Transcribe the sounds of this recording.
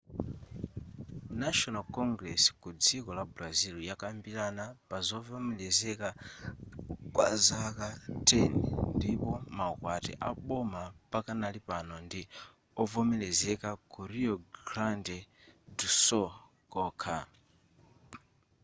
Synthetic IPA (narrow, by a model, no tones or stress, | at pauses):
naʃɔnalkɔŋɡɾɛsi̥kud͡zikɔlablazilujakambilanapazɔvɔmɛlɛzɛka | kwa̰zakatʰɛnɛ̰ndipɔmakwatɛ̰ʔaɓɔmapakanalipanɔndi | ɔvɔmɛlɛzɛkakuɾiɔɡɾandɛ | dusɔ | kɔːkʰa